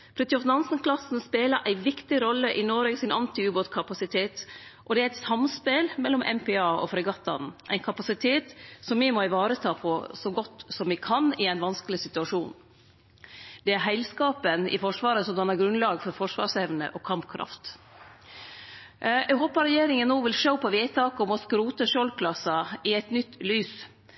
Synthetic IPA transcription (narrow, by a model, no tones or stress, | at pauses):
pʰɾɛt̪ɪɔfnɑnsən̩kʰlɑsn̩speːlɑʔæɪʋɪkt̪ɪɾɔlːəʔɪnoːɾeɡsɪnʔɑnt̪ɪʉːbot̪kʰɑpɑsɪt̪ʰeːt̪ʔɔd̪ɛæɾɛt̪sɑmspɛlmɛlːɔmʔɛ̰mpɛɑːɔ̰fɾɛɡɑt̪ːɑ̰nʔæ̰ɪnkʰɑpɑsɪt̪ʰeːt̪sɔmɪmɔɪʋɑːɾət̪ʰɑːpʰɔsɔɡɔt̪ːsɔmʋɪkʰɑnɪæɪnʋɑnskəlɪsɪt̪ʉɑʂuːn | d̪̥ɛæɾɦæɪlskɑːpənɪ̰fɔʂʋɑːɾəsɔmd̪ɑnæɾɡɾʉnlɑːɡfɔɾfɔʂʋɑ̰ːsɛʋnə̰ʔɔkʰɑmpkʰɾʔɑ̰ft̪ | ʔɛɪɦoːpɑɾɛjeːɾɪŋənːoːʋɪlʂəʊpʰɔʋiːt̪ʰɑːkɔmɔskɾuːt̪əʂolkʰlɑsɑɪɛt̪nʏt̪ːlyːs